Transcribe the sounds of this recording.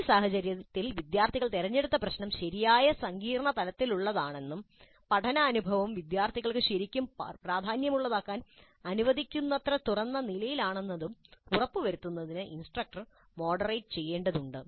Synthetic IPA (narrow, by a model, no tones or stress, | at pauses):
isaːɦɐt͡ɕɐɾjɐt̪ːilʋid̪jaːrt̪ʰiɣɐɭt̪eɾɐɲːe̞ɽut̪ːɐprɐɕnɐmɕɐɾijaːjɐsɐŋɡiːrɐɳɐt̪ɐlɐt̪ːiluɭːɐðaːɳe̞nːum | pɐʈʰɐnɐːnubʱɐʋɐmʋid̪jaːrt̪ʰiɣɐɭkɨɕɐɾikʲːumpraːd̪ʱaːnjɐmuɭːɐðaːkːaːn | ɐnuʋɐd̪ʱikʲːunːɐt̪rɐt̪urɐnːɐnilɐjilaːɳe̞nːɐðumurɐpːɨʋɐɾut̪ːunːɐðinɨʔinsʈrɐk̚ʈɐr | mo̞ːɖɐrɐjʈɨ̥t͡ɕe̞jːe̞ːɳɖɐðuɳɖɨ